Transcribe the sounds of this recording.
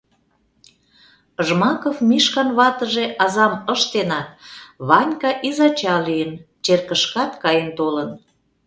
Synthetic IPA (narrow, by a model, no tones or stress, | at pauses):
əʒmɑkofmiʃkɑnβɑt̪əʒeʔɑzɑməʃt̪enɑt̪̚βɑnʲkɑʔizɑt͡ɕɑlijənt͡ɕerkəʃkɑt̪kɑjənt̪olən